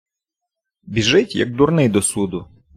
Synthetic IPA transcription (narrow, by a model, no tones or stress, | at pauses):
bʲiʒɪtʲjɐ̰k̚d̪urnɪjd̪ɔsud̪ʊ